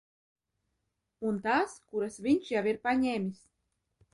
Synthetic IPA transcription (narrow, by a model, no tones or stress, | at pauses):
unt̪askuɾasvʲiɲʲʃjawiɾpaɲeːmʲis